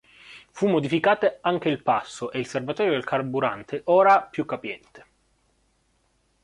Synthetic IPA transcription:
fumːod̪ifikaːt̪eaŋk̟eilpasːoʔeilservat̪ɔːɾjod̪elkʰarbuɾant̪ʰeʔoːɾapjukːapjɛnt̪e̥

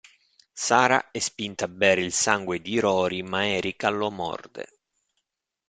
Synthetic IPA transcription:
saːɾa̰ɛspint̪abːɛːɾeilsaŋɡwed̪iɾɔːɾimaɛːɾikalːɔmɔ̰rd̪ḛ

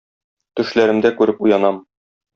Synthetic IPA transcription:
t̪ɵ̆ʃlæɾɘ̆md̪ækʉɾɘpujɑnɑm

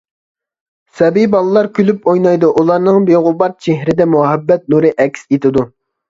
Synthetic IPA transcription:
sɛbijbɑlˠɨlˠɑɾkʲʰylypojnɑjd̪uʔulˠɑɾnɨŋbeʁʊbɑɾ̚t͡ʃʰeɦɾɪd̪ɛmuɑɦɛbːɛt̪̚nuɾɨʔɛkʲʰset̪ʰɪd̪u

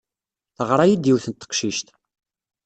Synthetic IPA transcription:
θəʁɾˤɑjid̪iwθənt̪ːə̥qʃiʃt̪

